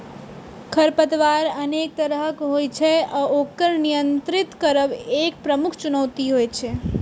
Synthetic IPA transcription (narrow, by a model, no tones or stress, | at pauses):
kʰəɾpət̪ʋaɾənek̚t̪əɾɦəkɦojt͡ʃʰeɔokəɾnijənt̪ɾit̪kəɾəbekpɾəmukʰt͡ʃunəʋt̪iɦojt͡ʃʰe